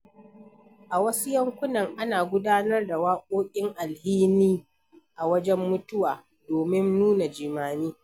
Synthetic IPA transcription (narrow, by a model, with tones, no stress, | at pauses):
ʔa˨wɐ˦su˦jɐ˦ŋkʷʊ˦nɐ˨ŋʔa˦naː˨ɡʷʊ˦daː˦nɐ˦rda˨waː˦kʷʼoː˦kʲʼɪ˦ŋʔa˨lhiː˦niː˦ | ʔa˨wɐ˦d͡ʒɛ˦mːʊ˦tʊ˦waː˨ | doː˨mɪ˦nːuː˦na˨d͡ʒiː˨maː˨niː˦